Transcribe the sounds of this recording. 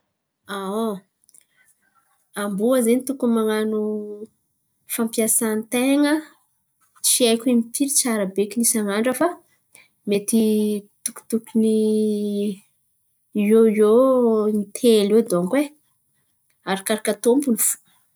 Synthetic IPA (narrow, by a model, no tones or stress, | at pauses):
ao | ambuazenit̪ukumaŋanu | fãmpjasant̪eŋə | t͡siajkʲuimipʰiɾit͡saɾabekʲinisaŋaɳɖ͡ʐafa | met̪it̪uku̥t̪ukuni | oionit̪ʰeled̪oŋkwe | aɾakaɾakat̪ompunifu̥